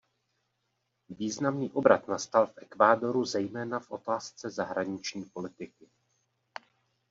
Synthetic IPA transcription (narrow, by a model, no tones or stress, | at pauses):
viːznamniːʔo̞bɾat̪nast̪alfʔɛkvaːdo̞ɾuzɛjmɛːnafʔo̞t̪aːst͡sɛzaɦɾaɲɪt͡ʃɲiːpo̞lɪt̪ɪkɪ